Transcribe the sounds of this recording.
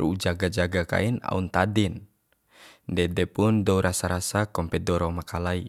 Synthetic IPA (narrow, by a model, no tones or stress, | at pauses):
rṵud͡ʒaɡad͡ʒaɡaka̰ina̰unt̪adin | dɛdɛpundɔuɾʔasaɾasakɔmpɛdɔɾɔmakalai